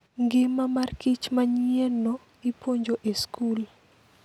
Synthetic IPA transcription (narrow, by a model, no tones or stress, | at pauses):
ŋɡɪmamarkit͡ʃmaɲieno | ipʰoɲd͡ʒoʔeskul